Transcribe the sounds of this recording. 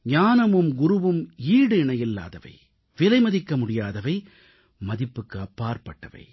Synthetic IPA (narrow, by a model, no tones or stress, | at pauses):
ɲaːnɐmɯmɡʊɾɯʋɯmiːɽɯɪɳɐjɪlːa̰ːðɐʋɐ̰ɪ | ʋɪlɐɪmɐðɪkːɐmʊɽɪjaːðɐʋɐɪ | mɐðɪpːɯkːɯɐpːaːɾpɐʈːɐʋɐ̰ɪ